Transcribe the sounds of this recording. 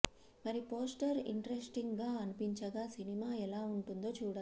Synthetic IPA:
mɐɾipo̞ːsʈɐɾḭɳʈɐɾesʈiŋɡɡaːɐnupiɲt͡ʃɐɡaːsinimaːɛlaːuɳʈund̪o̞ːt͡ʃuːɽɐ

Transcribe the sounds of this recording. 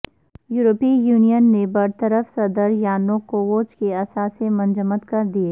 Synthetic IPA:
juːɾopiːjuːnijənːebɐɾt̪əɾəfsɐd̪əɾjaːnõkoʋoːt͡ʃkeɐsaːsemɐ̃nd͡ʒəmət̪kɐɾd̪ieː

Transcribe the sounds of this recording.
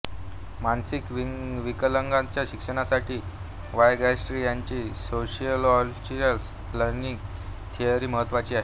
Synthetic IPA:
mansikʋiʋikələŋɡãt͡ɕjaɕikʂəɳasaʈʰiː | ʋajɡæsʈɾijaɲt͡ɕiːsoɕiəlɔt͡ɕiəls | ləɾniŋɡt̪ʰijaɾiːməɦət̪ːʋat͡ɕiːaɦe

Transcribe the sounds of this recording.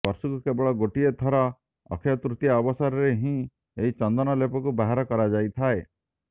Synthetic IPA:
bɔɾsukukebɔɭɔɡoʈiet̪ʰɔɾa | ɔ̰kʰjɔt̪ɾut̪jaɔbɔsɔɾɔɾeɦĩ | eɦit͡ʃɔnd̪ɔnɔlepɔkubaɦaɾɔkɔɾad͡ʒajt̪ʰae

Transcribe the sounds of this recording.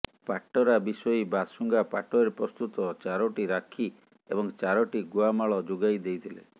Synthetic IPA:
paʈːɔɾabisɔibasuŋɡapaʈɔeɾpɾɔst̪ut̪ɔt͡ʃaɾɔʈiɾakʰi | ebɔŋt͡ʃaɾɔʈiɡuamaɭɔd͡ʒoɡajd̪ejt̪ʰilḛ

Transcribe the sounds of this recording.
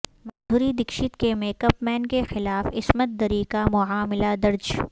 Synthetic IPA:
mɐ̃nd̪ʱuːɾid̪ɪkʃɪt̪kemẽkɐpmɛːnkexɪlaːfɪsmət̪̚d̪ɐɾikamʊaːmɪlad̪ɐɾd͡ʒ

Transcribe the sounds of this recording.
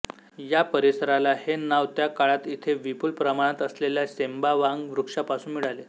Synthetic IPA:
japəɾisəɾalahenaʋt̪jakaɭat̪it̪ʰeʋipuːlpɾəmaɽ̃at̪əsleljasembaʋaŋɡʋɾukʂapasuːnmiɭale

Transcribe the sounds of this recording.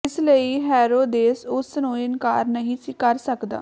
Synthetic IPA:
ɪsləiːɦɛːɾoːd̪eːsʊsnũːɪnkaːɾnəɦĩːsikəɾsəkd̪a̰ː

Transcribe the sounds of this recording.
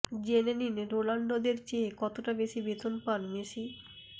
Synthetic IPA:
d͡ʑeneninɾolaɳɖod̪eɾt͡ɕeːkɔt̪oʈabeʃibet̪onpanmeʃi

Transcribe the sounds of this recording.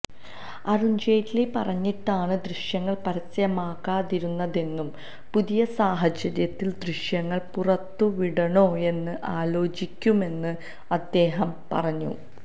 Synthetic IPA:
ɐruɲd͡ʑeːtːlipɐrɐɲːiʈːaːɳɨd̪riʂjɐŋːɐɭpɐɾɐsːɐjɐmaːkːaːðiɾunːɐðe̞nːum | puðijɐsaːɦɐt͡ɕːɐɾjɐt̪ːild̪riʂjɐŋːɐɭpurɐt̪ːuʋiɽɐɳoːe̞nːɨʔaːlo̞ːt͡ɕikʲːume̞nːɨ | ɐd̪ːe̞ːɦɐmpɐ̰rɐɲːṵ

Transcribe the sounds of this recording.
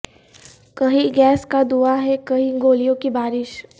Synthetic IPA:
kɐɦiɡɛːskad̪uaɦɛkɐɦiɡoːlijõkibaːɾɪʃ

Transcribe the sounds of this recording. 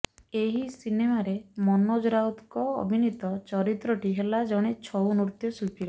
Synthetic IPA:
eɦisinemaɾemɔnɔd͡ʒɾawt̪kɔ̰ːbʱinit̪ɔt͡ʃɔɾit̪ɾɔʈiɦelad͡ʒɔɽ̃et͡ʃʰɔwnuɾt̪jɔsukiɾɔ

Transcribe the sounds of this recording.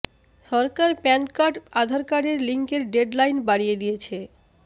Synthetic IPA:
ʃɔɾkaɾpɛnkaʈad̪ʱaɾkaɖeɾliŋkeɾɖeɖlajnbaɽijed̪ijet͡ɕʰe

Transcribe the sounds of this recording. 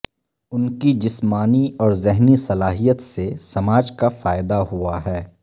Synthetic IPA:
ʊnkid͡ʒɪsmaːniɔːɾzɪɦnisɐlaːɦijət̪sesɐmaːd͡ʒkafaːɪd̪aɦuaɦɛː

